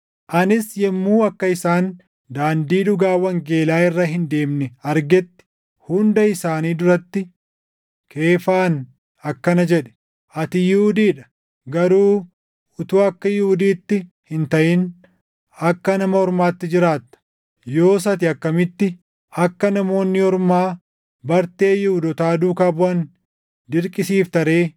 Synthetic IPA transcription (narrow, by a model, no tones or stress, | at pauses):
ʔɐnɪsjɛmːuːɐkːɐɪsaːn | d̪aːnd̪iːᶑʊɡaːwːɐŋɡe̞ːlaːɪrːɐɦɪnd̪e̞ːmnɛɐɾɡɛt̪ːɪ̥ | hʊnd̪ɐɪsaːniːd̪ʊɾɐt̪ːɪ | kʰe̞ːfaːn | ɐkːɐnɐd͡ʒɛᶑɛ̥ | ʔɐt̪ɪjʊʊd̪iːᶑɐ | ɡɐɾuː | ʊt̪uːɐkːɐjʊʊd̪iːt̪ːɪ | hɪnt̪ɐʔɪn | ɐkːɐnɐmɐhɔɾmaːt̪ːɪd͡ʒɪɾaːt̪ːɐ̥ | jo̞ːs̬ɐt̪̬ɪɐkːɐmɪt̪ːɪ | ɐkːɐnɐmo̞ːnːɪhɔɾmaː | bɐɾt̪e̞ːjʊhʊd̪ɔt̪aːd̪uːkaːbʊɐn | d̪ɪɾkʼɪsiːft̪ɐɾe̞ː